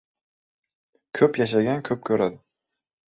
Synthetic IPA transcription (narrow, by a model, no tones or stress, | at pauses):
kʲʰɵpjaʃ̬aɡʲankʲʰɵp̚kʲʰɵɾad̪ɪ